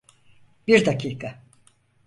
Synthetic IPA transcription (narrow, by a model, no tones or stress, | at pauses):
biɾd̪akʰiːkʰa